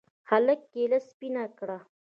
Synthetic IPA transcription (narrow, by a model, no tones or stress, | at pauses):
xaləkːelaspinakɽa